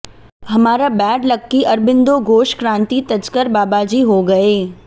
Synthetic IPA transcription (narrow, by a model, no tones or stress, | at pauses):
ɦɐmaːɾabɛːɖlɐkːiʔɐɾbɪ̃nd̪oɡoːʃkɾãːnt̪it̪ɐd͡ʒkəɾbaːbad͡ʒiɦoɡɐeː